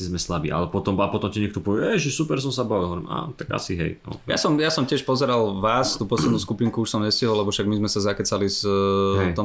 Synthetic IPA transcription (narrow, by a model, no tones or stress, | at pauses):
izmɛslabḭːʔa̰lɛpɔt̪ɔmapɔt̪ɔmciɲɛkt̪ɔpɔʋɛɛʒɛsupɛɾs̬ɔmsabaʋilˠɦɔʋɔɾima̰ːt̪aɡa̰siɦɛ̰jɔ̰ja̰sɔmjasɔmcɪɛʃpɔzɛɾalʋaːst̪uːpɔslɛd̪nuskupiŋkuuʃsɔmɲɛsciɦɔlɛbɔfʃaɡmizmɛsazakɛt͡salisɦɛt̪ɔm